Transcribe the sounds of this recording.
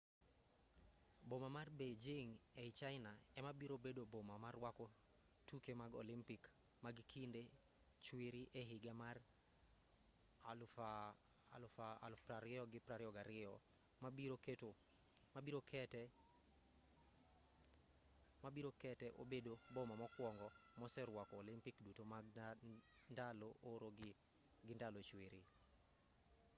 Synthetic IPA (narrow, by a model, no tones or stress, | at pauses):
bomamarbed͡ʒeŋeɪt͡ʃaɪnaɛmabiɾobedobomamarwakɔ | tukemaɡo̰limpik | maɡkʰinde | t͡ʃwiɾiʔeɦɪɡamar | lfaalpɾaɾɪɔɡɪpɾaɾɪɔɡaɾɪɔ | mabiɾoketo | mabiɾokʰɛtɛ | mabiɾokɛtɛʔo̰bedobɔmamɔkwɔŋɡɔmɔsɛɾwakɔlɪmpikdutoma | ndalooɾoɡ | ɡɪndalot͡ʃweɾi